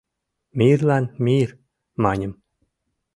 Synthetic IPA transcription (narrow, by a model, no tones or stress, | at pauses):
mʲirlɑnmʲir | mɑnʲə̆m